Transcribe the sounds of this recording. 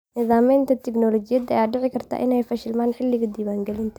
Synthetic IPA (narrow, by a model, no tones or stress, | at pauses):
nɪðaːmiːnt̪ʰɐt̪ʰɛɡnɔːlɔt͡ʃɪjɐðɐ̰jaːɖɛʕɪkʰɐrt̪ʰa̰ːʔɪnɛjfɐʃɪlmaːnħɪlːɪɣɐd̪iːwaːŋɡɛlɪnt̪ʰɐ